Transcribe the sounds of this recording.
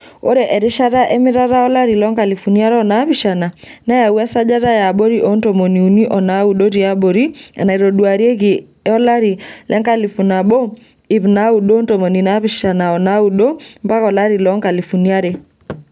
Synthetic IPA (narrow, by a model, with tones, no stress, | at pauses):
o˦ɾe˨ʔɛ˨ɾɪ˦ʃa˦ɾa˦ʔɛ˦mɪ˦ɾa˦ɾa˦ɔ˦la˦ɾi˨lɔ˦ŋka˨li˨fu˨ni˦a˦ɾɔ˦˨na˦βi˨ʃa˨na˨na˦ja˨wa˦sa˦d͡ʒa˦ɾa˦ja˨bo˦ɾi˦ʔo˦nto˨mo˨ni˨u˨ni˦ʔɔ˨na˨˦u˨ɗo˦ɾi˨a˦bo˨ɾi˦a̰˨na˨i˨ɾo˨ɗwa˨ɾi˦e˦ɣi˨ | ɛ˦ɔ˦la˦ɾi˨lʔɛ˦ŋka˦li˨fu˨na˨bo˦ | i˨βna˦u˨ɗo˦nto˨mo˨ni˨na˦βiʃa˨na˨ɔ˨na˦u˦ɗo˦mpa˦kɔ˨la˦ɾi˨lɔ˦ŋka˨li˨fu˨ni˦a˦ɾe˦